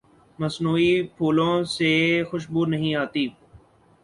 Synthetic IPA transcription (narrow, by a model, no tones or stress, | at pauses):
məsnuːipʰuːlõsexʊʃbuːɾnəɦĩaːt̪iː